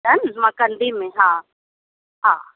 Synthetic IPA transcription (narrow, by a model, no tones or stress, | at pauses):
ɐnmãkənd̪imẽɦãː | ɦã̰ː